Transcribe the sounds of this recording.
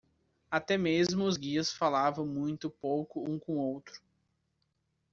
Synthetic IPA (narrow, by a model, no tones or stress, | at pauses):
at̪ɛmezzmʊʊzɡiɐsfalavɐ̃w̃mũj̃t̪ʊpowkʊũkõw̃owt̪ɾʊ̥